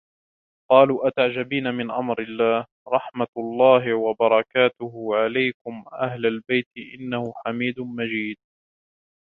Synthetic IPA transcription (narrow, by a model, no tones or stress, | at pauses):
qɑːluːʔat̪aʕd͡ʒabiːnamɪnʔamɾɪlːaːh | ɾˤɑħmalˤːɑːɦɪwɑbɑɾˤɑkaːt̪ʊhʊʕalajkʊmʔahlalbajt̪ɪʔɪnːahʊħamiːd̪mad͡ʒiːd̪̚